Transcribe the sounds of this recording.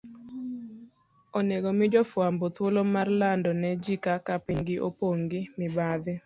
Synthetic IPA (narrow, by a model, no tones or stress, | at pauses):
oneɡomɪd͡ʒɔfwambot̪wolomarlandɔnɛd͡ʒikakapiŋɡɪʔopoŋɡɪmɪbad̪ɪ